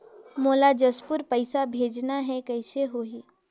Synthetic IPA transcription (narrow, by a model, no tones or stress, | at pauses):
moːlad͡ʒəspʊɾpəɪsabʱed͡ʒnaɦɛkəɪseɦoɦi